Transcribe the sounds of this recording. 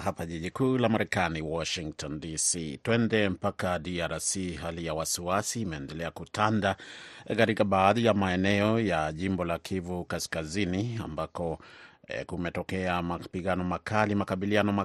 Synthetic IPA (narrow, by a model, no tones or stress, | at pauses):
ɦapaʄiʄikulamaɾɛkaniwɔʃiŋktʰɔndisitwɛndɛm̩pakadiaɾasiɦalijawasiasiːmɛːndɛlɛakutʰandakaɾikaɓaːðijamaɛnɛɔjaʄimbɔlakʰivukaskazinia̰mbakɔ | kumɛtɔkɛamapiɠanɔmakalimakaɓilianɔma